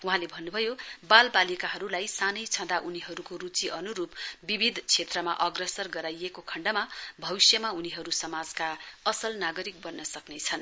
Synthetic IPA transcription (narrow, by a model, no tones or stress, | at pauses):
uɦãlebʱʌnːubʱʌjobalbalikaɦʌɾulajsanʌjt͡sʰʌ̃d̪aʔuniɦʌɾukorut͡siʔʌnuɾupbibʱid̪ʱt͡sʰet̪rʌmaʔʌɡrʌsʌrɡʌɾajekokʰʌɳɖʌmabʱʌbisjʌmauniɦʌɾusʌmad͡zkaʌsʌlnaɡʌɾik̚bʌnːʌsʌknet͡sʰʌn